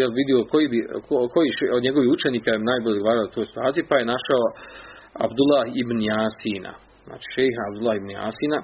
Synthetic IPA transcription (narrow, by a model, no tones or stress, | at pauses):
jelʋid̪iokojibikoko̞jiʃeod̪ɲeɡoʋihut͡ʃeniːkaemnaːjboʎed̪ɡo̞ʋaːɾalot̪oːjsi̥t̪uaːt̪sijupaje̞naʃao | a̰bd̪ulahibnjaːsiːna̰ | zna̰ːt͡ʃi̥ʃejɦaːbd̪ulˠahibnja̰ːsiːna